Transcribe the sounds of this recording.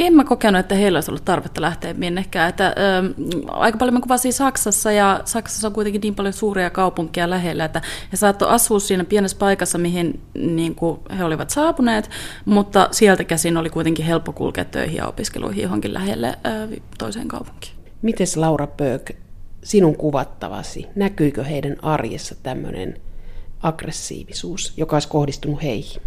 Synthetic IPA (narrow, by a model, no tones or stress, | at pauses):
emːækokenuet̪ːæheilːoiso̰lːut̪t̪ɑrʋet̪ːɑlæht̪eːmmienːehkæːet̪ːæʔøːɑ̰ikɑpɑljomikuʋɑsiːsɑksɑsːɑjɑsɑksɑ̥sːɑoŋkuit̪eŋkiniːmpɑljosuːriɑkɑupuŋkiɑlæɦelːæet̪ːæhesɑːt̪ːo̰ʔɑsːˑuːssiːnæpienespɑikɑsːɑmiɦinniːŋkuheoliʋɑt̪sɑːpuneːt̪mut̪ːɑsielt̪ækæsinolikuit̪eŋkiɦelpːokṵlkḛːt̪tø̰ihḭɑ̰o̰piskḛlʔṵihijoɦo̰ŋkilʔæ̰hḛlːḛːt̪oisḛːŋkɑ̰upu̥ŋki̥ː | mit̪eslɑurɑpøːksinuŋkuʋɑt̪ːɑ̰ʋɑ̰sḭnækyikøheidænɑrjḛsːɑt̪æmːø̰nḛn | ɑɡ̥resːḭːʋisuːsjokɑoˑiskohdist̪unuheihi̥n